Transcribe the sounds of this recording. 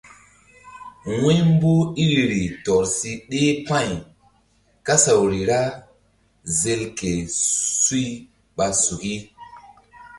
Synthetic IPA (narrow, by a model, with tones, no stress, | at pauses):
wẽ˦m˦bu˦i˦ɾi˨ɾi˨tɔ˨ɾsi˦ɗe˦pã˦˨j | ka˦sa˨wɾi˨ɾa˦ | ze˧lke˨su˦i˦ | ɓa˧su˨ki˦